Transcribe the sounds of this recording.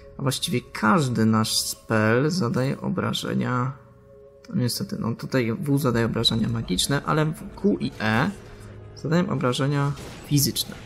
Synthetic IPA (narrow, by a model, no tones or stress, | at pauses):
avwaɕt͡ɕivʲɛkʰaʐd̪ɘnaʂspɛlzad̪ajɛ̰ʔɔ̰bɾa̰ʐɛ̰ɲa | nɔɲɛst̪ɛt̪ɘnɔ̰t̪ut̪ajvuzad̪ajɛɔbɾaʐɛɲamaɡʲit͡ʂnɛʔa̰lɛvkuʔiʔɛ | zad̪ajɛmʔɔbɾaʐɛɲa | fʲizɘt͡ʂnɛ̰